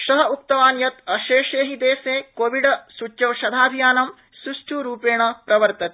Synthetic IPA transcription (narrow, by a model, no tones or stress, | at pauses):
ʃɐɦɐuk̚t̪ɐʋaːnjɐt̪ɐʃeːʂeːɦid̪eːseːkoːʋiɖɐsut͡ʃːjɐʋʃɐd̪ʱaːb̪ʱjaːnɐm | suʂʈʰuːɾuːpeːɳɐpɾɐʋɐɾt̪ɐt̪e